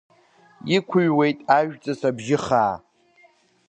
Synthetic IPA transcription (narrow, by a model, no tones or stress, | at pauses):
ikʷʰʊɥwe̞jtʼaʒᶣt͡sʼasabʒɪχaː